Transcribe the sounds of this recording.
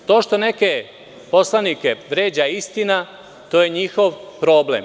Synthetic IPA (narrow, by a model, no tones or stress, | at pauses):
t̪o̞ːʃt̪o̞ne̞ke | po̞slanike̞ʋɾeːd͡ʑaist̪ina | t̪oːje̞ɲixo̞ʋpɾo̞ːblḛm